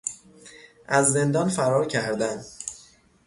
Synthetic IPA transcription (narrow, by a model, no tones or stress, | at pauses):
ʔæzːe̞nd̪ɒːnfæɾɒːɾcʰæɾd̪æn